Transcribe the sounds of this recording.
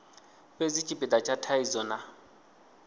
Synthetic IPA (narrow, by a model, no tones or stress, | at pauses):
ɸʼezit͡ʃʼipʼidʼat͡ʃʰʼatʰaizɔna